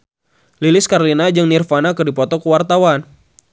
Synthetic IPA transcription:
lilɪskaɾlinad͡ʒəŋnirfanakɨrdipɔt̪ɔkəwart̪awan

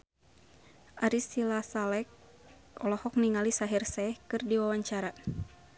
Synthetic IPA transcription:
ʔaɾisilasalɛk̚ | ɔlɔhɔk̚niŋalisaɦirsɛhkɨrdiwawaɲt͡ʃaɾa

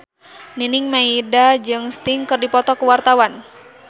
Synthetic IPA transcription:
ninɪŋmaidad͡ʒɨŋst̪ɪŋkɨrdipɔt̪ɔkəwart̪awan

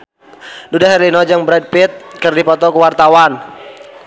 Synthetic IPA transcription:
dudaɦɛɾlinɔd͡ʒaŋbɾad̚pit̪̚kərdipɔt̪ɔkuwart̪awan

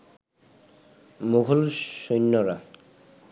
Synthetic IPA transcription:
muɦulʃojnːɔɾa

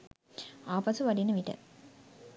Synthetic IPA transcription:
aːpasuʋaɖinəʋiʈə̰

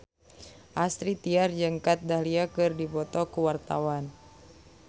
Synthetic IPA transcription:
ʔast̪ɾit̪iard͡ʒəŋkat̪̚dahliakɨrdibɔt̪ɔkuwart̪a̰wan

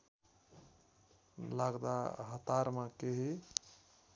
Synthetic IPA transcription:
laɡd̪a̰ɦət̪aɾmakeɦi

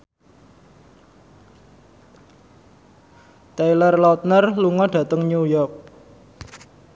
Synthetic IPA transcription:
t̪ejlərlɔt̪̚nərluŋɔɖ̥ä̤t̪əŋnujɔk̚

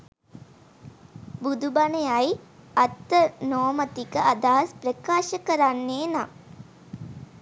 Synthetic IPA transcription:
bud̪ubanejajat̪ːənoːmət̪ikəʔad̪aːsprəkaːʃəkəɾanːeːna

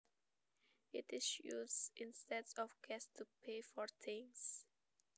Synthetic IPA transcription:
ɪtɪsjṵzĩnstɛdsɔfɡɛstʰupʰefɔɹtʰĩŋs

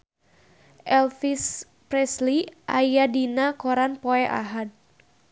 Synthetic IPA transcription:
ʔɛlfis | pɾɛsliʔajadinakoɾanpɔɛʔa̰ɦad̪̚

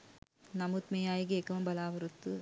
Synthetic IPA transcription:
nɐmut̪mɐjaːjikeːkːɐʋɐmbɐlaːʋɐɾɯt̪ːɯ

